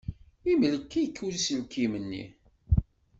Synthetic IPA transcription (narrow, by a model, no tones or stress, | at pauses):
imələkːijkʰːulisəlkːimənːḭ